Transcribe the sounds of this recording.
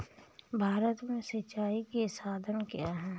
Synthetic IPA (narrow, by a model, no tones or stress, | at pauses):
bʱaːɾət̪mẽsət͡ʃːaːikesaːd̪ʱənkijaɦɛ̃ː